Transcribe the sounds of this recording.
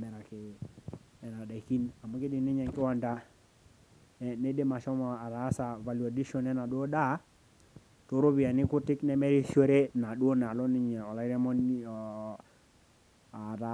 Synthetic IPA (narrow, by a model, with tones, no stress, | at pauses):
mɛ˨ɾa˨kɪ˨ | ɛ˨na˨da˨ki˦na˨mɔ˦kɪ˦dɪ˨nɪ˦ɲɛ˨ŋkɪ˦wa˨nda˦ | ɛ˦ne˦de˦ma˨ʃɔ˦mɔ˨a˨ɾa˨˦sa˨va˨ljo˨di˦ʃɔ˦nɛ˦na˨dwo˦da˦ | to˨˦ɾo˦βi˨a˨nɪ˦kʊ˦tɪ˦knɛ˦mɛ˦ɾi˦ʃo˦ɾe˦na˨ɗu˦o˦na˨lɔ˦nɪ˦ɲɛ˨ɔ˨la˦ɾɛ˦mɔ˦n˨ | a˨ta˨˦